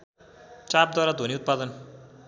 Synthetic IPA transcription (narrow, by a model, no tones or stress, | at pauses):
t͡sap̚d̪aɾad̪ʱoniut̪̚pad̪ʌn